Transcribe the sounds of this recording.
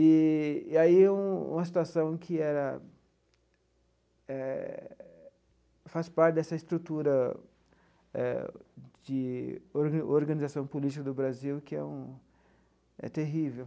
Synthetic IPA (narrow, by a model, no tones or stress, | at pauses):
ɪːaiũṵ̃mɐsi̥t̪uasɐ̃w̃kʰɪɛɾɐ | ɛ | faspaɾt͡ʃɪd̪ɛsɐɪst̪ɾut̪uɾɐ | ɛ̰d͡ʒɪɾoɾɡɐ̃nizasɐ̃w̃polit͡ʃikɐd̪ʊbɾaziwkɪɛ̰ũ | ɛ̰t̪eɦivew